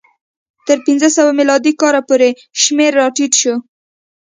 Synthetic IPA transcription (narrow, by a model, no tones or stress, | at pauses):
t̪əɾpinzəsawamilɑd̪ikɑɾapoɾe | ʃmeɾːɑʈiʈ̪ʃo